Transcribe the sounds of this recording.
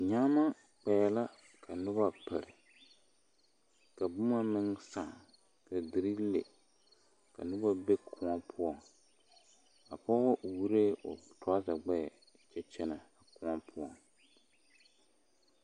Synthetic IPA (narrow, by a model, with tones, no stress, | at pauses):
ɲa˦ma˦ | k͡pɛ˨ɛ˨la˦ | kʰa˨nʊ˦ba˦pa̰˨ɾɪ˨ | ka˨bʊ˦ma˦mɪ˦ŋsa˨ŋ | ka˨dɪ˨ɾɨ˦le˨ | ka̰˨nʊ˦ba˦be˦kʰʊ˨˦ɔ˦pʰʊ˦ɔ˨ŋ | a˨pɔ˦ɣɔ˦ʔwu˦ɾeː˦ʔʊ˨tʊ˦a˦za˨ɡ͡bɛ˦˨ | t͡ʃɛ˦t͡ʃɛ˦na˨a˨kʊ˦a˦pʰʊ˦ɔ˨ŋ